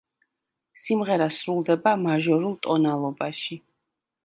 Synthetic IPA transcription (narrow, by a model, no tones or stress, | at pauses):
simʁɛɾasɾulˠd̪ɛbamaʒɔɾulˠt̪ʼɔnalˠɔbaʃi